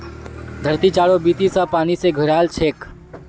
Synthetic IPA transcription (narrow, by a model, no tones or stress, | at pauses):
d̪ʱəɾt̪it͡ʃaɽobit̪isə̃paːniseɡʱəɾalt͡ʃʰeːk